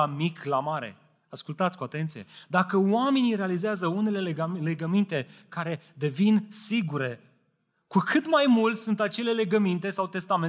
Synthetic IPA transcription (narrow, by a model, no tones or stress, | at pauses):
amiklamaɾe̞̰ | askult̪at̪sʲkuat̪e̞nt̪sije̞̰d̪akəwame̞niɾe̞alizeazəune̞le̞lle̞ɡəmint̪e̞kaɾe̞d̪e̞vinsiɡuɾe̞ | kukʰɨt̪majmult̪ʲsunt̪at͡ʃe̞le̞le̞ɡəmint̪e̞sawt̪e̞st̪ame